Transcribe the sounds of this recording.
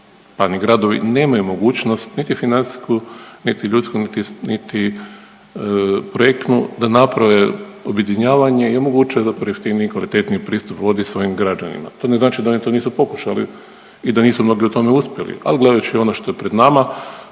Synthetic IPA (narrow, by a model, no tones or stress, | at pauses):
paniɡɾad̪o̞ʋḭne̞ːmajumo̞ɡuːt͡ʃno̞st̪nit̪ifinant̪si̥skunit̪iʎut̪skunit̪init̪i | pɾojek̪nud̪anapɾaʋe̞obje̞d̪iɲaːʋaɲe̞imo̞ɡuːt͡ʃnozapɾojift̪iːnikʋalit̪e̞t̪nipɾiːst̪upʋo̞d̪isʋo̞jimɡɾad͡ʒa̰nḭma̰t̪o̞ːneznaːt͡ʃid̪aonit̪oniːsupo̞ku̥ʃali | id̪aniːsumno̞ɡiut̪o̞meuspjelḭa̰liɡle̞d̪ajut͡ʃio̞noʃt̪o̞jepɾe̞d̪nama